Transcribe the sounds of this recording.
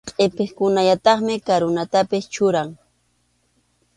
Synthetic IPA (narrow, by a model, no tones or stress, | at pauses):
qʼepeχkʊnaʎat̪ɑχmɪkaɾʊnat̪apɪst͡ʃʊɾaŋ